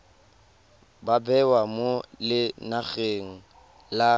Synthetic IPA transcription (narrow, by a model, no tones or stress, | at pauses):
babɛwamolɪnaɣeŋ̩ | la